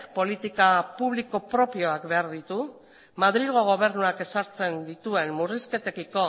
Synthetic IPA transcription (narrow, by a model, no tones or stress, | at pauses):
po̞lit̪ikapuβ̞likopɾo̞pio̞akbe̞aɾðit̪u | maðɾiɣo̞ɣ̞o̞β̞e̞ɾnuake̞saɾt͡se̞nd̪it̪ue̞nmuriske̞t̪e̞kiko̞